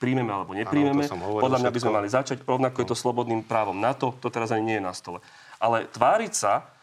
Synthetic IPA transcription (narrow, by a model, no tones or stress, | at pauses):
pɾiːmɛmɛalɛbɔɲɛpɾiːmɛmɛɔd̪ʎamɲabizmɛmalizat͡ʃaɟɾɔʊnakɔjɛt̪ɔslɔbɔd̪niːmpɾaːʋɔmnat̪ɔt̪ɔt̪ɛɾazaɲiɲɪɛjɛnast̪ɔlɛ | ʔalɛt̪ʋaːɾicsa